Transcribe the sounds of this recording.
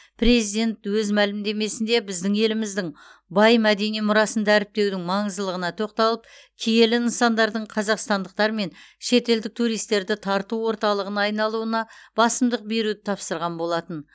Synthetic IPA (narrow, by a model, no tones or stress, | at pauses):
pɾe̞zijd̪e̞nt̪wɵzmælɪmd̪e̞me̞sɪnd̪e̞bɪzd̪ɪŋe̞lɪmɪzd̪ɪŋ | bɑjmæd̪e̞nijmʊɾɑsənd̪ɑæɾɪp̚t̪e̞wd̪ɪŋmɑɴəzəlˠəʁənɑt̪ʰo̞qt̪ɑlˠəp̚ | kʲʰije̞lɪnəsɑnd̪ɑɾd̪əɴqʰɑzɑqst̪ɑnd̪əq̚t̪ɑɾme̞nʃe̞t̪e̞ld̪ɪk̚t̪ʰuɾijst̪ːe̞ɾd̪ɪt̪ʰɑɾt̪uwo̞ɾt̪ɑlˠəʁənɑːjnɑlˠuənɑb̥ɑsəmd̪əq̚be̞ɾud̪ɪt̪ʰɑpsəɾʁɑnbo̞lˠɑt̪ən